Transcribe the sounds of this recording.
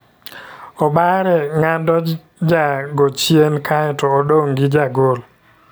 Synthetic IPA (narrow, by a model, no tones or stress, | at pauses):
ɔbaɾɛŋandɔ | d͡ʒaɡot͡ʃjenkʰaɛtɔːdoŋɡɪd͡ʒaɡol